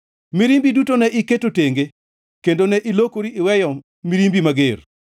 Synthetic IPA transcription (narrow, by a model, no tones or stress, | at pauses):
miɾimbidutonɛʔɪketoteŋɡe | kendonɛʔɪlokoɾiɪwɛjɔ | miɾimbimaɡer